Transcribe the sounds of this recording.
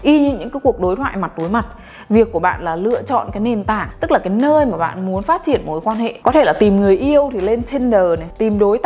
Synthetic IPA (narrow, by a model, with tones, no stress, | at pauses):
ʔi˧ɲɨ̰˧˥ŋɲɨ̰˧˥ŋkaː˨˦jku˨˩ək̚ɗo˨˦jt̪ʰwa̰ː˧˨jma˨˩t̚ɗo˨˦jma˨˩t̚ | vi˨˩əkːu˧˩ɓa̰ː˧˨nlaː˨˩lɨ̰˧˨ət͡ɕɔ̰˧˨nkaː˨˦jne˨˩nt̪a̰ː˧˩˨ŋt̪ɨ˦˥k̚laː˨˩kaː˨˦jnəː˧jmaː˨˩ɓa̰ː˧˨nmu˨˦ənfaː˦˥t̚t͡ɕi˧˩ənmo˨˧˩jkwaː˧nhḛ˧˨kɔ˨˦t̪ʰe˧˩laː˨˩t̪i˨˩mŋɨ˨˩əjʔi˧əwt̪ʰi˨˩le˧nt͡ɕe˧nɗəː˨˩na˨˩t̪i˨˩mɗo˨˦jt̪